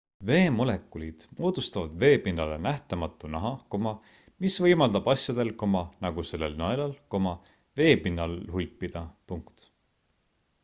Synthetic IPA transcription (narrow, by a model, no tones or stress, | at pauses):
ve̞ːmo̞le̞kːˑulid̪̥moːd̪̥ust̪ɑvɑd̪ve̞ːpinːɑle̞næht̪ɑmɑt̪ːˑunɑɦɑko̞mɑ | misvɤjmɑld̪̥ɑb̥ɑsjɑd̪̥elko̞mɑnɑɡ̥use̞lːe̞lnɑelɑlko̞mɑ | ve̞ːpinːɑlɦulpːˑid̪̥ɑpuŋkt̪